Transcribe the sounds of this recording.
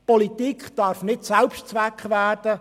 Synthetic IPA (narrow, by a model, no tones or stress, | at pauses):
pɔlit̪ikχd̥ɑːɾfnɪtsælpʃtt͡sʋækχvæːrd̥ə